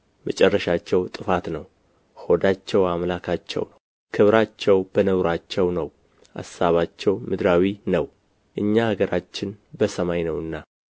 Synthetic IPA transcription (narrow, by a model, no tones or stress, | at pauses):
mət͡ʃʼɛrːəʃat͡ʃːɛwt̪ʼɨfat̪nəw | ho̞d̪at͡ʃːɛwamlakʰat͡ʃːɛ̰wnəww | kʰɨβɾat͡ʃːɛwb̥ənəɡɾat͡ʃːɛwnəw | ʔa̰sːaβat͡ʃːɛwmɨd̪ɾawinəw | ʔɨɲːahaɡəɾat͡ʃːɪnbəsəmajnəwɨnːa